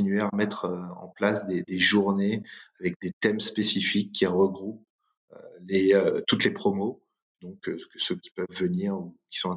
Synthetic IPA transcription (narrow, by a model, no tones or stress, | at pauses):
inɥeamɛt̪χøɑ̰̃plasd̪ed̪eʒuʁneavɛk̚d̪et̪ɛmspesifikʰʲːiʁəɡʁup̚ | ø̰leøt̪ut̪lepχɔmo | d̪ɔ̃kkəsøkʲi̥pœvːəniʁukʲi̥sɔ̃ɛ̃